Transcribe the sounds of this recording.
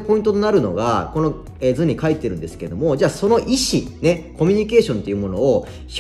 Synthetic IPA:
po̞ĩnt̪ot̪onaɾɯ̟no̞̰ɡa̰ko̞no̞ | ezɨ̃ɲ̟ːikait̪ːe̞ɾɯ̟̃nd̪e̞sɨ̥keed̪o̞mo̞d͡ʑaːso̞no̞ʔiɕine̞ko̞mʲiɲ̟ike̞ːɕõ̞nt̪e̞iɯ̟mo̞no̞ː | ç

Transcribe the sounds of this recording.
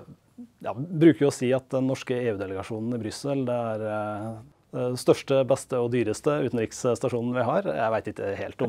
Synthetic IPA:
jɑ̰ːbɾʉːkəɾjʊɔsiːɑt̪d̪ɛnːɔʂkəeːʉːd̪ɛləɡɑʂuːnn̩ɪbɾʏsəld̪ɛæɾ | d̪ɛst̪œʂʈəbɛst̪əɔd̪yːɾəst̪əʉːt̪n̩ɾɪksst̪ɑʂuːnn̩ʋɪɦɑɾjæ̰ɪʋæɪt̪ɪkːə̰heːlt̪ɔm

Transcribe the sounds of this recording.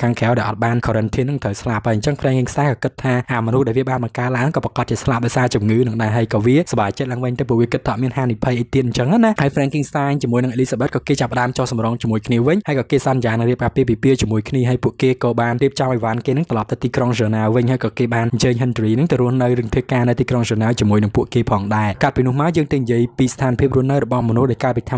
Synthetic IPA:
kʰaːŋkʰeawɗaɛlʔɑ̰t̪̚ɓaːnkʰoɾənt̪ʰiənːɨŋt̪ʰəwslap̚hajɲt͡ɕəŋfrɛːŋkiŋst̪aːŋkɑːkɨt̪ʰːaːʔaːmɔnuhɗaɛlʋiəɓaːnɓɑŋkaəlaːŋnɨŋkɑːprɑkɑt̪̚t͡ɕiəslap̚ɗɑɔjsaːt͡ɕumŋɨːnɨŋɗaɛɦaəjkɑːʋiəsɑɓaːt͡ɕət̪̚laːəŋʋɨɲt̪əwp̬ːuəʔʋiəkɨt̪ʰːʔɑʔ̪miənɦaːnipʰəjʔəjt̪iət̪̚ɲt͡ɕəŋhanahaəjfrɛːŋkiŋst̪aːɲt͡ɕiəmuəjnɨŋʔeliːsaːɓət̪̚kɑːkeːt͡ɕapə̆ɗaəmt͡ɕohsɑmroŋt͡ɕiəmuəjkʰniəʋɨɲhaəjkɑːkeːsɑnjaːnɨŋriəp̚kaːpiːəp̬ipiəʔt͡ɕiəmuəjkʰniəɦaːjpuəʔkeːkɑːɓaːnriəp̚t͡ɕɑmʔɔjʋaːnkeːnɨŋt̪ɔlɑp̚t̪ɨwt̪iːkroŋsəːnaːwʋɨɲhaəjkɑːkeːɓaːnɲt͡ɕəːɲɦənt̪riːnɨŋt̪ɨwruəhnɨwrɨəŋpʰiəkaːnɨwt̪iːkroŋsəːnaːwt͡ɕiəmuəjnɨŋpuəʔkeːpʰɑːŋɗaɛkat̪̚piːnʊ̆əhmaɔjəːŋt̪ənijiəjpiːst̪ʰaːnpʰiəp̚ruəhnɨwrɔɓɑhmɔnuhɗaɛjkaəlpit̪ʰa

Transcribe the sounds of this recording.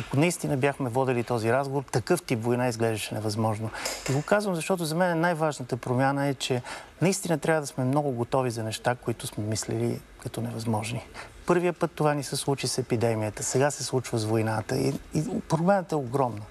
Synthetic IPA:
ɐkonɐist̪inəbjaxmɛvɔd̪ɛlit̪ɔziɾazɡovoɾt̪ɐkɤft̪ipvojnaizɡlɛʒd̪əʃɛnɛvɐzmɔʒnoiɡokazvəmzɐʃt̪ɔt̪̬ʊzɐmɛnɛnajvaʒnət̪əpɾomʲjanəɛt͡ʃɛnɐist̪inət̪ɾʲavəd̪ɐsmɛmnɔɡʊɡot̪ɔvizɐnɛʃt̪akoit̪ʊsmɛmislɛ̰lḭ | kɐt̪ɔnɛvɐzmɔʒnipɤɾviəpɤt̪ːovanisəslˠut͡ʃisɛpid̪ɛmiət̪əsɛɡasɛslˠut͡ʃvəzvojnat̪əḭipɾoblɛnət̪ɛoɡɾɔmnə

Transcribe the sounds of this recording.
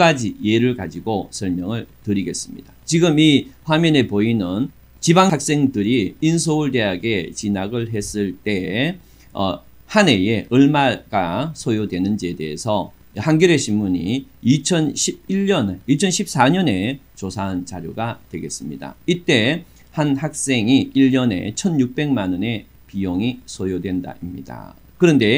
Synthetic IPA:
ad͡ʑije̞ɾɯɭka̰d͡ʑiɡosʰʌɭmjʌŋɯɭtɯɾiɡe̞s͈ɯmɲḭd̥at͡ɕiɡɯmiɸwamjʌne̞poinɯn | t͡ɕibaŋak̚s͈e̞ŋdɯɾiinsʰoɯɭde̞ɦaɡe̞t͡ɕinaɡɯɭɦe̞s͈ɯɭt͈e̞ | ʌ̰ | hane̞jeɯɭmaɡasʰojodwe̞nɯnd͡ʑie̞de̞ḛsʰʌ | hanɡjʌɾeɕʰimmuɲḭit͡ɕʰʌnɕʰib̚iʎːʌnit͡ɕʰʌnɕʰip̚s͈aɲʌne̞t͡ɕosʰaɦant͡ɕa̰ɾjoɡatwe̞̰ɡe̞s͈ɯmɲida̰it͈e̞ | hanhak̚s͈e̞ŋiiʎːʌne̞̰t͡ɕʰʌnjuk̚p͈e̞ŋmanʌne̞ | pijoŋisʰojodwe̞nda̰ʔimɲḭda̰ | kɯɾʌnde̞

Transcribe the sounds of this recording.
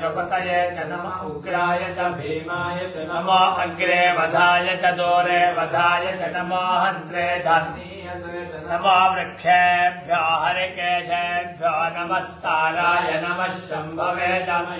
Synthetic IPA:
t͡ʃokɐt̪ɐjet͡ʃɐnɐ | ɡɾaːjɐt͡ʃɐbʱmːjɐ | nɐmaːʔɐŋɡɾeːʋɐd̪ʱaːjɐt͡ʃɐd̪oːɾeːʋɐd̪ʱaːjɐt͡ʃɐnɐmɔːɦɐnt̪ɾeːt͡ʃʰɐː | nɐmaːʋɾɐkʂʰebʱjaːɦɐɾekeːt͡ʃʰebʱjaːnɐmɐst̪aːɾaːjɐnɐmɐʃɐmbʱɐʋeːt͡ʃɐ

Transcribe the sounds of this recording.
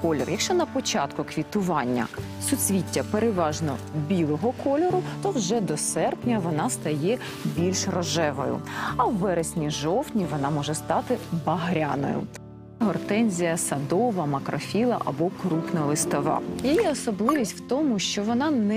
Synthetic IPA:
kɔlʲɔrjɐkʃt͡ʃɔnɐpɔt͡ʃɑt̪kʊkʋʲit̪ʊʋɑnʲːɐ̰ | sʊt͡sʲʋʲitʲːɐpeɾɪʋɑʒnɔbʲilˠɔɦɔkɔlʲɔɾʊt̪ɔwʒɛd̪ɔsɛrpnʲɐʋɔnɑst̪ɐjɛ | bʲilʲʃrɔʒɛʋɔjʊ̰ɐwːɛɾesʲnʲiʒɔwtʲnʲiʋɔnɑmɔʒɛst̪ɑt̪ɪbɐɦɾʲanɔ̰jʊ̰ | ɦɔrt̪ɛnʲzʲijɐsɐd̪ɔʋɐmɐkɾɔfʲilˠɐ̰ʔɐ̰bɔkɾuxnɐlˠɪst̪ɔʋɑ̰jijɛɔsɔblˠɪʋʲisʲtʲwt̪ɔmʊʃt͡ʃɔʋɔnɑnɛ

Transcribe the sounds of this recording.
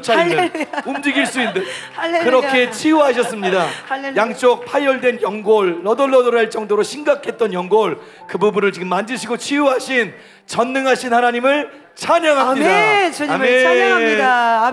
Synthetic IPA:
t͡ɕʰaindɯnumd͡ʑiɡiɭs͈uindɯn | kɯɾʌkkʰe̞t͡ɕʰiuɦaɕ̬ʰʌs͈ɯmɲidajaŋt͡ɕ͈ok̚pʰajʌɭdwe̞njʌŋɡoɭːʌdʌɭːʌdoɾaɭt͡ɕ͈ʌŋdoɾoɕʰinɡakʰe̞t̚t͈ʌnjʌŋɡoɭ | kɯbubunɯɭt͡ɕiɡɯmːandɯɕʰiɡot͡ɕʰiuɦaɕʰin | t͡ɕʌnːɯŋɦaɕʰinhanaɲimɯɭ | t͡ɕʰaɲʌŋɦamidaaeai

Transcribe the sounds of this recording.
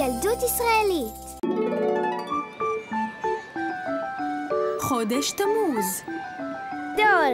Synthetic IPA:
aldut̪isʁaelit | χod̪eʃt̪amuz | d̪o

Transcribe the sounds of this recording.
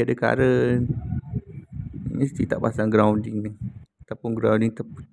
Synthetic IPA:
adəka̰ɾən | ḭɲəst̪it̪aʔpasaŋɡɾawndɪŋnɪat̪apʊnɡɾawũndiŋt̪apə

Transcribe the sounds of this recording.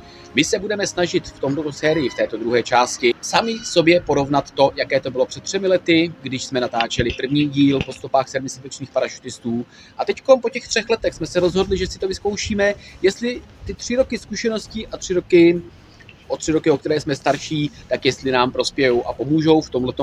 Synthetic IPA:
mɪsɛbudɛmɛsnaʒɪt̪ft̪omt̪ot̪osɛːɾɪjɪft̪ɛːt̪o̞d̪ɾuɦɛːt͡ʃaːscɪsamɪso̞bjɛpo̞ɾo̞vnat̪ːo̞jakɛːt̪o̞bɪlo̞pr̥ɛt̪̚ːr̝̥ɛmɪlɛt̪ɪɡdɪʃsmɛnat̪aːt͡ʃɛlɪpr̩vɲiːɟiːlpo̞st̪o̞paːxsɛdmɛsat̪ɛt͡ʃniːxpaɾaʃu̥t̪ɪst̪uː | ʔat̪ɛcko̞mpo̞cɛxt̪r̥ɛxlɛt̪ɛxsmɛsɛɾo̞zɦo̞dlɪʒɛsɪt̪o̞vɪsko̞wʃiːmɛjɛst̪lɪ | t̪ɪt̪r̝̥ɪɾo̞kɪskuʃɛno̞scɪʔat̪r̥ɪɾokɪ | ʔot̪r̝̥ɪɾo̞kɪokt̪ɛɾɛːsmɛst̪aɾʃiːt̪akjɛst̪lɪnaːmpɾo̞spjɛjowʔapo̞muːʒo̞wft̪o̞mlɛt̪o

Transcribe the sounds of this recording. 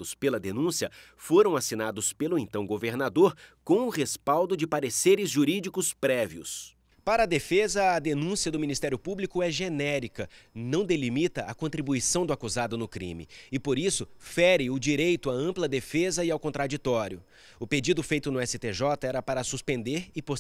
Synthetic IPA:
ʊspelɐd̪enũsiɐ | foɾɐ̃w̃asinad̪ʊspelʊẽnt̪ɐ̃w̃ɡoveɾnad̪oɾkõw̃ʊhespawd̪ʊd͡ʒɪpaɾeseɾɪzʒuɾid͡ʒikʊspɾɛviʊ̰s | paɾɐːd̪efezɐɐːd̪enũsiɐd̪ʊminist̪ɛɾjʊpublikʊɛʒenɛɾikɐnɐ̃w̃d̪elimit̪ɐʔɐkõnt̪ɾibuisɐ̃w̃d̪ʊakuzad̪ʊnʊkɾḭ̃mɪ̰ɪpoɾisʊfɛɾɪʊd͡ʒiɾejt̪ʊaɐ̃mplɐd̪efezɐɪawkõnt̪ɾad͡ʒit̪ɔɾjʊ | ʊped͡ʒid̪ʊfejt̪ʊnʊɛsɪt̪eʒɔt̪ɐɛɾɐpaɾɐsuspẽnd̪eɾɪpo

